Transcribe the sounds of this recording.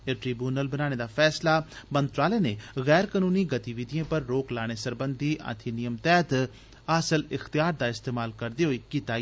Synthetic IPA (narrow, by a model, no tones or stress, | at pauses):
eʈɾiːbjuːnəlbənãːeːd̪aːpʰɛːslaː | mənt̪ɾaːleːneːɣɛːɾkanuːniːɡət̪iʋɪd̪ijẽːpəɾːoːklaːɽ̃eːsəɾbənd̪ʱiːʔə̰t̪ʰenɪjəmt̪ɛːt̪ | asəlɪxt̪ɪjaːɾd̪aːɪst̪eːmaːlkəɾd̪eːɦoiːkiːt̪aː